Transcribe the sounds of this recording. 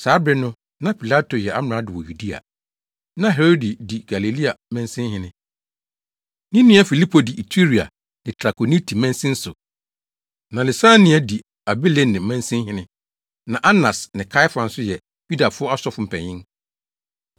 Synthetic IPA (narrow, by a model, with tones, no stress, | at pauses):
saː˨˦bɾɪ˦nʊ̃˦ | nã˦pʰi˨la˦to˨jɛ˨ʔa˦m˨ã˨˦dɪ˨wɔ˨ju˨di˦a̰˨ | nã˦˨ɦɛ˨ɾo˦di˨di˨ɡ̥a˨le˨li˦a˨mɛ̃˦n˦sɪ̃˦ɦɪ̃˦nɪ̃˦ | nĩ˦nĩ˦ɛ˦fi˨li˦pʰo˨di˨ʔi˨tʰi˦ɾi˨a̰˨ | nɪ̃˨tʰɾa˨kʰo˨ni˦tʰi˨mɛ̃˦n˦sɪ̃˦n̩˦sʊ˨ | nã˨le˨sã˦nĩ˦ɛ˦di˨ | a˨bi˦le˨nːɪ̃˨mɛ̃˦n˦sɪ̃˦hɪ̃˦nɪ̃˦ | nã˨ʔa˦nã˨snɪ̃˨kʰa˦ɪ˦fã˨n̩˦sʊ˦jɛ˨ | ju˦da˨fʊ˦ɔ˦a˦sɔ˦fʊ˨˦m̩˨pʰɛ̰̃˨ɲɪ̃˦n